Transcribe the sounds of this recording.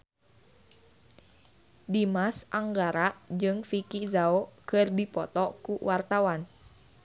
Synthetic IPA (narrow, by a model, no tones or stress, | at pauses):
dimasʔaŋɡaɾaʔd͡ʒɨŋfikizaokərdipɔt̪ɔkuwart̪awan